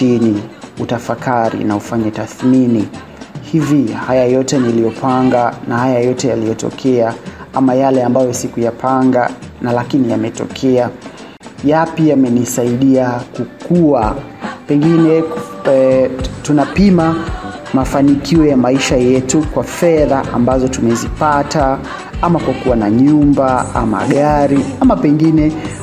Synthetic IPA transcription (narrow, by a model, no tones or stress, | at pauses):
iniutafakaɾḭnaufaɲɛtaθmini | hivihajajɔtɛnilijɔpʰaŋɡanahajajɔtɛjalijɔtɔ̰kʰɛaamajalɛambajɔsikujapʰaŋɡa̰nalakinijamɛtɔ̰kʰɛa | japiamɛnisaiɗiakukuwa | pɛŋɡinɛ | tunapima | mafanikiɔjamaiʃajɛtukwafɛðaʔa̰mbazɔtumɛzipata | amakwakuwanaɲumbaa̰ma̰ɠaɾiamapɛŋɡinɛ